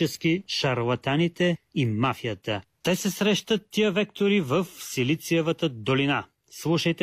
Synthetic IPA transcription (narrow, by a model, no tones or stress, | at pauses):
ɛsk̟iʃɐɾlˠɐt̪anit̪ɛimafijət̪ət̪ɛsɛsɾɛʃt̪ət̪ːijəvɛk̚t̪oɾivəfsilit̪sijəvət̪əd̪olina | slˠuʃɐjt̪ɛ